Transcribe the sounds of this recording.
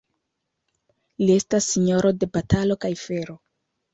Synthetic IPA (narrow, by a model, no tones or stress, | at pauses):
lie̞stasːiɲo̞ɾo̞de̞batalo̞kajfe̞ɾo̞